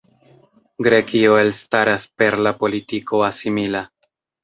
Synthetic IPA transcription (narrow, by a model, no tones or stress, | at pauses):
ɡɾe̞kio̞e̞lstaɾaspe̞ɾlapo̞litikʰo̞asimila